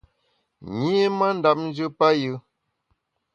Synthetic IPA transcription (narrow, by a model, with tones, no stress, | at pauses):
ɲi˦ma˦n̩˦da˨p̚n̩˦d͡ʒɨ˦pa˦jɯ˦